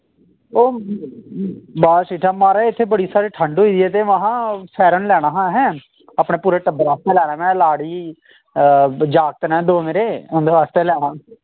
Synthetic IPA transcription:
oː | baːsiːʈʰaːmaːɾaɪt̪ʰːeːbəɽiːsaːɾiːʈʰə̃ɳɖoiːd̪iɛːt̪eːʋãɦãːsʰɛːɾənlɛːɽ̃aːɦãɦɛ̃ː | aːpɳẽːpuːɾeːʈəbɾaːst̪eːlɛːɽãːmɛ̃ːlaːɽiː | d͡ʒaːk̚t̪nɛ̃ːd̪oːmẽːɾeːʊ̃nd̪eːʋaːst̪eːlɛːɽ̃ãː

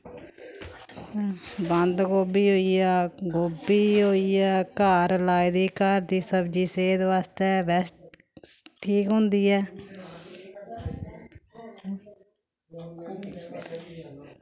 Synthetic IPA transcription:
bənd̪ɡoːbiːɦoːiːɛːɡoːbiːɦoːiːɛːkaːɾlaːid̪iːkaːɾd̪iːsəbd͡ʒiːseːd̪ʋaːst̪eːbɛːs | ʈʰiːkɦʊ̃nd̪iːɛː

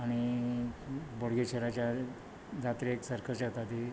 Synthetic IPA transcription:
aɽ̃i | boɽɡet͡ɕʰeɾat͡ɕja | d͡zat̪ɾeeksəɾkʰət͡ɕaɦot̪at̪i

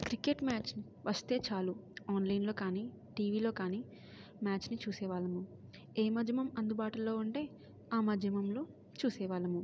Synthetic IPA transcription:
kɾikeʈmaːt͡ʃni | ʋʔɐst̪e̞ːt͡ʃaːluaːnlɐjnlo̞ːkaːniː | ʈiːʋiːlo̞ːkaːniː | maːt͡ʃnit͡ʃuːsɛːʋaːlɐmu | eːmɐd͡ʒjɐmɐmɐnd̪ubaːʈulːo̞ːuɳʈe̞ː | aːmɐd͡ʒ̪ʱjɐmɐmlo̞ː | t͡ʃuːsɛːʋaːlɐmu

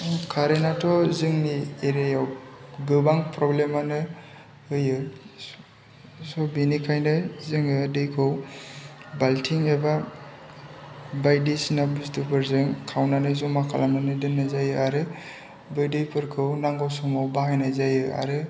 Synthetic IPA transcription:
kʰaɾenatʰɔzɯŋnieɾejawɡɯbaŋpɾɔblemanɯ | hɯjɯ | sɔbinikʰajnɯzɯŋɯdɯjkʰɯw | baltʰiŋeba | bajdisinabustupʰɯɾzɯŋkʰawnanɯzɔmakʰalamnanɯdɯnːazajɯaɾɯ | bɯjdɯjpʰɯɾkʰɯwnaŋɡɔwsɔmɔwbahajnazajɯa̰ɾɯ

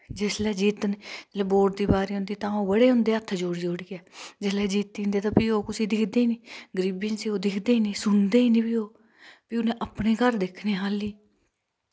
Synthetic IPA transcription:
d͡ʒɪslɛːd͡ʒiːt̪nːd͡ʒlɛːboːʈ̚d̪iːbaːɾiːɦʊ̃nd̪iːt̪ãːoːbəɽeːɦʊ̃nd̪eːət̪ʰːd͡ʒoːɽid͡ʒoːɽiːɛːd͡ʒɪslɛːd͡ʒiːt̪ːiːɦnd̪eːt̪ãːpiːoːkʊsiːd̪ɪkʰd̪eːiniːɡəɾiːbĩːnsiːoːd̪ɪkʰd̪eːiːniːsʊnd̪eːiːnĩːbiːoː | piːʊnẽːʔəpneːkəɾd̪ɪkʰneːɦaːliː

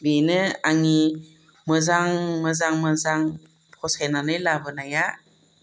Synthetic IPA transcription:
binɯaŋi | mɯzaŋmɯzaŋmɯzaŋ | pʰɔsajnanɯjlabɯnaja

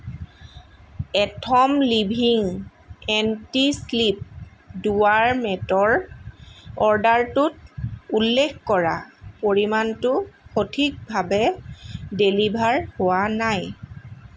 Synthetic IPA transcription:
ɛtʰɔmlibʱiŋ | ɛntislip̚duwaɹmɛtɔɹ | ɔɹdaɹtʊt̚ulːekkɔɹa̰poɹimantʊxotʰik̚bʱabɛ | delibʱaɹhʊwanaj

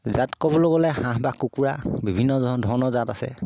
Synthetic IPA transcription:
zatkɔbɔloɡɔlɛhãɦbakukuɹabibʱinːɔdʱɔɹnɔzatasɛ̰

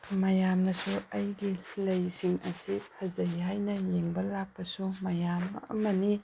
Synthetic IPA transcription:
mɐjamnɐsuɐjɡilɐjsiŋɐ̰sipʰɐzɐjɦajnɐjeŋbɐlak̚pɐsumɐjamɐ̰mɐni

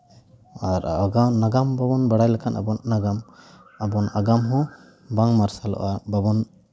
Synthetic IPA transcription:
aɾaɡanaɡambabɔnbaɽajlakʰanʔa̰bɔnːaɡam | abɔnaɡamɦɔ̃ | baŋmaɾsalɔ̰ʔababɔn

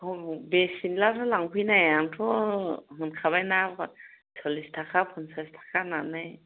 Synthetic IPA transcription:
bɛsinlatʰɔlaŋpʰujnajantʰɔɦɯnkʰaβajna | sɔlistʰakʰapʰunsastʰḁkʰananaj

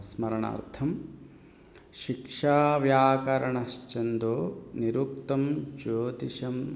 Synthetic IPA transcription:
smɐɾɐɳa̰ːɾt̪ʰɐm | ʃikʂaːʋjaːkɐɾɐɳɐst͡ʃɐnd̪oːniɾuk̚t̪ɐmt͡ʃoːt̪iʃɐm

